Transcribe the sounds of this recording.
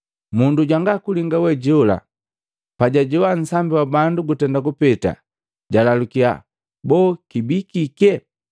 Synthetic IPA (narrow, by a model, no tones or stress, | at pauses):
munduɟwaŋɡakuliŋɡawɛɟɔla̰ | paɟaɟɔwan̩sambiwabanduɡutɛndakupɛta̰ | ɟalalukia̰ | bɔkibikikɛ